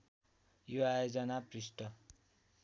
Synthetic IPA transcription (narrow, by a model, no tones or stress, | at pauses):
joajod͡zʌnaprisʈʌ